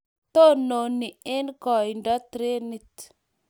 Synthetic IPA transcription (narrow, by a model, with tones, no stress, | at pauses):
t̪o˦˨no˨ni˨e˦nkɔ˨i˨nda˦t̪ɾe˦ni˦t̪